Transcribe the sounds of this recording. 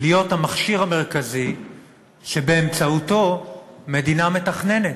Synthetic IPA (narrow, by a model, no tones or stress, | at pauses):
lijo̞thamaχʃiʁame̞ʁ̞kazi | ʃe̞be̞ːmt͡sauto̞me̞diname̞taχne̞net